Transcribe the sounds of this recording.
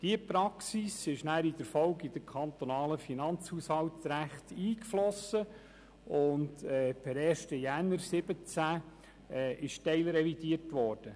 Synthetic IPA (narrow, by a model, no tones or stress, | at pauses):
d̥iəpɾɑksisɪʃnæːɾid̥̪əɾfɔwɡid̥̪əkʰɑnt̪onɑːləfinɑnt͡shushɑwtɾæχtiːkflɔsə | ʊndɛpʰɛɾɛːʃtəjænːəɾsɪbət͡sæː | ɪʃtɛɪlɾɛvid̥iətʋɔːɾd̥ə